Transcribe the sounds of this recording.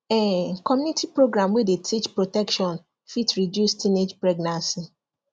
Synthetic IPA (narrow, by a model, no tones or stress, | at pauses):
ɛkɔmjunitipɾoɡɾamwedetʰit͡ʃpɾotɛkʃɔ̃n | fitɾidjustʰined͡ʒpɾeɡnãnsi